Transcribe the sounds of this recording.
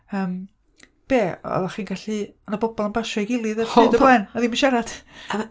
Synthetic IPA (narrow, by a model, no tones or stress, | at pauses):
əːm | b̥eːɔ̰ðaχiːnɡaɬianabɔbɔlˠənbaʃɔjɡɪlˠɨðəɨdəblɛnaðiːmənʃaɾad̥